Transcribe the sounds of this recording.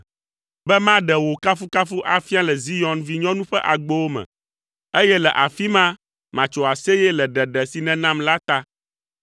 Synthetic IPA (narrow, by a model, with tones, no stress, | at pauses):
bɛ˦mã˦ɖɛ˨wo˨ka˦fu˦ka˦fu˦ʔa˨fi˦a˦lɛ˨zi˦jɔ˦nvi˦ɲɔ̃˦nũ˦ɸɛ˦ʔa˨ɡ͡bo˦wo˦mɛ̰̃˨ | e˦jɛ˦lɛ˨ʔa˨fi˦mã˦ | mã˨t͡ʃo˨a˨se˦jɛ˦lɛ˨ɖɛ˨ɖɛ˨si˨nɛ̃˦nã˦mla˦t̪a˦